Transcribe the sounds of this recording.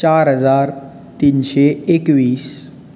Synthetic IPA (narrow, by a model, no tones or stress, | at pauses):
t͡ʃaːɾɦəd͡zaːɾ | t̪iːnʃeekʋiːs